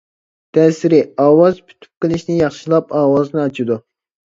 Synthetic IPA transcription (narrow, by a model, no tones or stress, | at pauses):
t̪ʰɛsɪɾɪɑːwɑzpʰy̥t̪ʰy̥p̚qəlˠɪʃnɪjɑχʃilˠɑpɑːwɑznɨɑt͡ʃʰid̪u